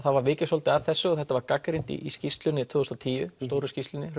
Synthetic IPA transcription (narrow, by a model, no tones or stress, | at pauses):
θaðvaɾvɪːcɪsolt̪ɪaðθɛsːʏɔθɛht̪ːavaɾkakɾijnt̪ḭʔiscist̪lʏnɪt̪ʰvuːðst̪ɔt̪ʰiːjʏ̰st̪owɾʏscisʏnɪr